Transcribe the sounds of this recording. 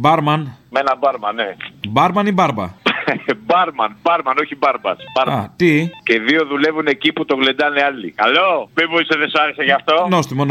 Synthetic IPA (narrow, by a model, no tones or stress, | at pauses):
bɐɾmɐnmenɐbɐɾmɐnebɐɾmɐnibɐɾbɐ̰ | bɐɾmɐnbɐɾmɐno̞çibɐɾbɐ̰sbɐɾmɐt̪iceiðio̞ðule̞vune̞ciput̪o̞ɣle̞nd̪ɐneɐlḭkɐlopevoiseðesɐɾiseʝɐft̪onost̪imon